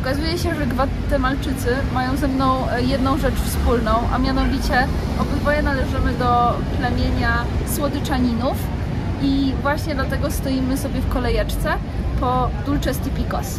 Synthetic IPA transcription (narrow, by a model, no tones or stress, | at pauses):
ɔkazujɛɕɛʐɛɡva | t̪ɛmalt͡ʂɘt̪sɘ | majɔ̃w̃zɛmnɔ̃w̃ | jɛd̪nɔ̃w̃ʐɛt͡ʂfspulnɔ̃w̃ʔa̰mʲjanɔvʲit͡ɕɛ | ɔbɘd̪vɔjɛnalɛʐɘmɘd̪ɔklɛmʲjeɲaswɔd̪ɘt͡ʂaɲinuf | ivwaɕɲɛd̪lat̪ɛɡɔst̪ɔjimɘsɔbʲjɛfkɔlɛjɛt͡ʂt̪sɛ | pɔd̪ult͡ʂɛst̪ipʲikɔ̰s